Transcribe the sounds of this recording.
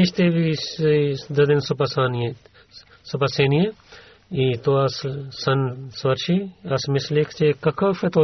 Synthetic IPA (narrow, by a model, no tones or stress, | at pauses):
iʃt̪eːʋi | d̪ɐd̪insupɐsaːnje | sɐpɐseːnije | it̪oɐssɐnsɐɾt͡ʃʰiɐsmislikʰt͡ʃekɐkʰɐfet̪oː